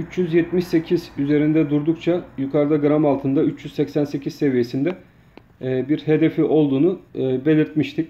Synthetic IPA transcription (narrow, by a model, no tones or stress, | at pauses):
yt͡ʃjyzjɛt̪miʃse̞cʰizyze̞ɾind̪ɛd̪uɾd̪ukt͡ʃʰajukʰaɾd̪aɡɾamalˠt̪ʰɯnd̪ayt͡ʃjyzsɛcsænse̞cʰizse̞vije̞sind̪ɛː | biɾhe̞d̪e̞fiʔo̞lˠd̪uːnube̞lʲiɾt̪miʃt̪ʰic